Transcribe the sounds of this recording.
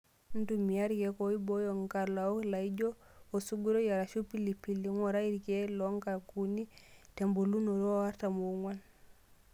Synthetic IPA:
ntumijaɾkɛkoibɔjɔŋkalaɔlaid͡ʒɔ | osuɡuɾɔjaɾaʃupilipiliŋɔɾaiɾkɛlɔŋkakunitembolunɔɾɔwaɾtamuŋwan

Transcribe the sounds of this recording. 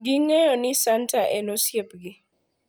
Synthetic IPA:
ɡɪŋɛjɔnɪsantʰaʔɛnosjepɡɪ

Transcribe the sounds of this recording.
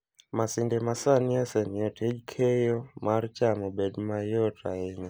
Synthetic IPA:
masindɛmasaniasɛnɔtʰɛd͡ʒkʰɛjɔmaɾt͡ʃamɔbɛdmajɔtʰaiɲa

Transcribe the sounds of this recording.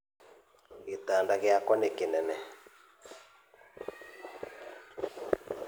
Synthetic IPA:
ɣet̪aːndaɣeakwɔnekenɛnɛ

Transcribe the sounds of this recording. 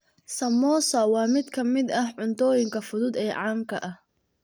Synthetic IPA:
sɐmɔːsɐwɑːmɪd̪kʰɐmɪd̪ɐhʕʊnt̪ʰɔːjɪŋkʰɐfʊðʊd̪ɛːʕɑːŋkʰɐʔɐh

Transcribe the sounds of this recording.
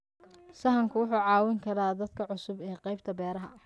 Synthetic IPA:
sɐɦɐŋkʰʊwʊħuːʕɑːwɪŋkʰɐɾaːd̪ɐd̪kʰɐʕʊsʊbɛːqɑjb̚t̪ʰɐbɛːɾɐɦɐ

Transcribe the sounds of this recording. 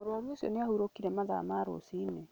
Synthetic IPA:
moɾoaɾosjɔ̰neahuɾokiɾɛmaða̰maːɾo̰siːne

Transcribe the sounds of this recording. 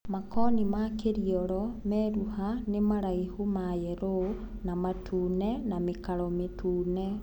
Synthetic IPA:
makɔnimakeɾiɔɾɔmɛːɾuhanemaɾaihumajɛɾonamatʰuːnɛnamekaɾɔmetʰuːnɛ

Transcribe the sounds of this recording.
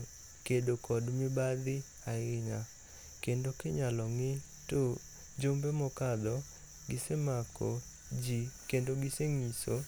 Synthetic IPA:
kedokʰɔdmɪbad̪ɪ | aɪɲa | kendokɪɲalɔŋɪ | to | d͡ʒombemɔkad̪ɔ | ɡɪsemakʰɔ | d͡ʒikendoɡɪseŋiso

